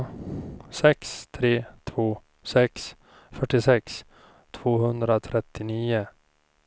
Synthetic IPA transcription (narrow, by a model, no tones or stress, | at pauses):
sɛkst̪ʰɾeːt̪ʰvoː | sɛks | fœʈːɪsɛks | t̪ʰvoːɦɵnd̪ɾat̪ʰɾɛt̪ːɪniːʊ